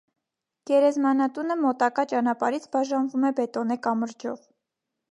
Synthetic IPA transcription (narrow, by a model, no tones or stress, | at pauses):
ɡ̥ɛɾɛzmɑnɑt̪unəmɔt̪ɑkɑt͡ʃɑnɑpɑɾit͡sʰbɑʒɑnvumɛbɛt̪ɔnɛkɑməɾd͡ʒɔ̰v